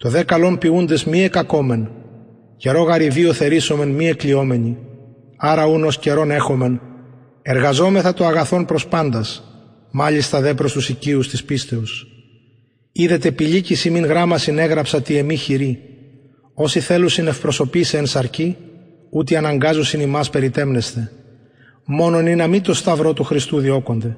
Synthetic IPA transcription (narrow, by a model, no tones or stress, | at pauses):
t̪o̞ðe̞kɐlo̞mpiund̪e̞zmie̞kɐko̞me̞n | ce̞ɾo̞ɣɐɾivio̞θe̞ɾiso̞me̞nmie̞klio̞me̞ɲi | ɐɾɐuno̞sce̞ɾo̞ne̞xo̞me̞n | eɾɣɐzo̞me̞θɐt̪oɐɣɐθo̞npɾo̞spɐnd̪ɐs | mɐʎist̪ɐðe̞pɾo̞st̪usiciust̪ispist̪e̞us | iðe̞t̪e̞piʎicisimiŋɣɾɐmɐsine̞ɣɾɐpsɐt̪ie̞miçiɾi | o̞siθe̞lusinefpɾo̞so̞pisensɐɾci | ut̪iɐnɐŋɡɐzusinimɐspe̞ɾit̪e̞mne̞st̪e̞ | mo̞no̞ninɐmit̪o̞st̪ɐvɾo̞t̪uxɾist̪uðio̞ko̞nd̪e̞